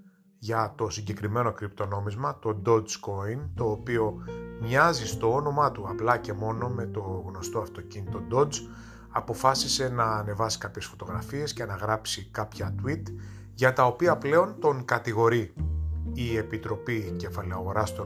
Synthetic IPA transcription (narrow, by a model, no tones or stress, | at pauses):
ʝɐt̪o̞siɲɟe̞kɾime̞no̞kɾipt̪o̞no̞mizmɐt̪o̞d̪o̞dzko̞int̪o̞ːpio̞mɲɐzist̪o̞ono̞mɐt̪uɐplɐce̞mo̞no̞me̞t̪o̞ɣno̞st̪oɐft̪o̞cinit̪o̞d̪o̞z | ɐpo̞fɐsise̞nɐːne̞vɐsi̥kɐpçe̞sfo̞t̪o̞ɣɾɐfie̞sce̞nɐɣɾɐpsikɐpçɐt̪wit̪ | ʝɐt̪ɐo̞piɐple̞o̞nt̪o̞ŋkɐt̪iɣo̞ɾi | ie̞pit̪ɾo̞pice̞fɐleɐɣo̞ɾɐst̪o